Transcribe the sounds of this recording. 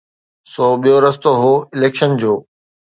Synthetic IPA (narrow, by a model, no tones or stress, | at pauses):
sɔːɓijoɾɐst̪oɦoːɪleːkʃənd͡ʑoː